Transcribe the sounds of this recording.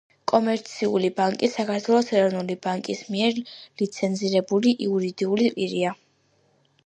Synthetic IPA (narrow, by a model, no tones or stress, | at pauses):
kʼɔmɛɾt̪sʰiulibaŋkʼisakʰaɾt̪ʰwɛlˠɔsɛɾɔvnulibaŋkʼismiɛɾlit̪sʰɛnziɾɛbuliʔiuɾid̪iulipʼiɾia